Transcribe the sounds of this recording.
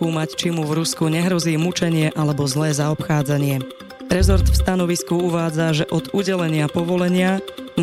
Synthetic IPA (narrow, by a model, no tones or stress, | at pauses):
uːmact͡ʃimuvɾuskuɲɛɦɾɔziːmut͡ʃɛɲɪɛʔalɛbɔzlɛːzaɔpxaːd͡zaɲɪɛ | ɾɛzɔɾt̪fst̪anɔʋiskuuʋaːd͡zaʒɛʔɔd̪uɟɛlɛɲɪapɔʋɔlɛɲɪan